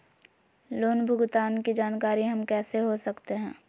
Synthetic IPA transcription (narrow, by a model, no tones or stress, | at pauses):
loːnbʱʊɡt̪aːnkid͡ʒaːnkaːɾiɦɐmkɛːseɦosɐkt̪eɦɛ̃ː